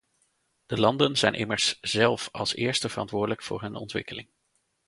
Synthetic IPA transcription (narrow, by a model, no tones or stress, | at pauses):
d̥əlɑndənzɛjnʔɪməɹsz̥ɛlˠfɑlˠsɪːɹstəv̥ərɑ̰ntʋʊːdələkfʊ̰ːɹɦɵnɔ̰ntʋɪ̰kəlɪŋ